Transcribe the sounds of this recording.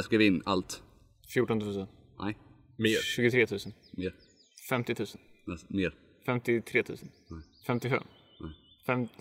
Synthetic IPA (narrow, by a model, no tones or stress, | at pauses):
skavɪnːalt̪ | fjuːʈɔnt̪ʰʉ̟ːsən | nɛ̰ | eɕʉɡʊt̪ʰɾeːt̪ʰʉ̟ːsən | meːɾ | fɛmt̪ɪt̪ʰʉ̟ːsənɛmeːɾ | fɛmt̪ɪt̪ʰɾeːt̪ʰʉ̟̰ːsən | fɛmt̪ɪɧɛ̰m | nɛfɛm